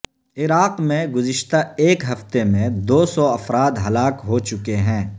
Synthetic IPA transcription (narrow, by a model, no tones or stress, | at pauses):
ɪɾaːqmẽɡʊzɪʃt̪aeːkɦɐft̪emẽd̪oːsɔɐfɾaːd̪ɦɐlaːkɦot͡ʃʊkeɦɛ̃ː